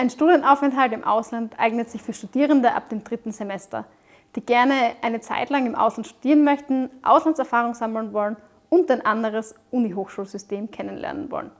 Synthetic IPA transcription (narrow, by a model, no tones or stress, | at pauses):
ʔaɪnʃtuːdiənʔaʊfɛntɦaltɪmʔa̰ʊslantʔa̰ɪɡnətz̥ɪçfyːɐʃtud̥iːʁ̞əndəʔa̰p̚d̥eːmdʁɪtn̩zemɛstɐ̰ | d̥iːɡ̥ɛɐnəʔaɪnət͡sa̰ɪtlaŋɪmʔa̰ʊslantʃtu̥d̥iːʁənmœçtn̩ʔa̰ʊslantt͡ssɛɐfaːʁ̞ʊŋzaml̩nvɔlən | ʊntaɪnʔandəʁ̞əsʔuːniɦoːxʃuːlzʏsteːmkʰɛnənlʔɛ̰ɐnə̰nvɔ̰lən